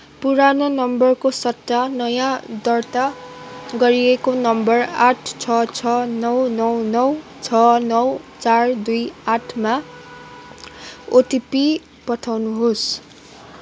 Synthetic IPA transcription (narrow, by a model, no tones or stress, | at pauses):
puɾanonʌmbʌrkosʌt̪ːanʌjãd̪ʌrt̪aɡʌɾiekonʌmbʌraʈʰt͡sʰʌt͡sʰʌnʌwnʌwnʌw | t͡sʰʌnʌwt͡sard̪ujaʈʰma | ot̪ipi | pʌʈʰawnuɦos